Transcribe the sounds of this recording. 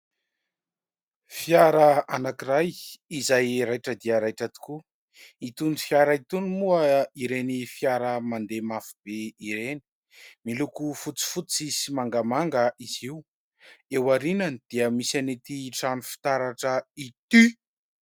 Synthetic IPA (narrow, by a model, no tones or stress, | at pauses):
fiaɾəanakiɾajizajɾajʈ͡ʂəd̪iəɾajʈ͡ʂət̪u̥ku | it̪uni̥fjaɾəit̪unmuəiɾenifjaɾəmand̪emafub̥eiɾeni̥ | milukufut͡si̥fut͡sizimaŋɡamaŋɡəiziu | ewaɾinanid̪̥iəmisanit̪iʈ͡ʂanifi̥t̪aɾaʈ͡ʂəit̪y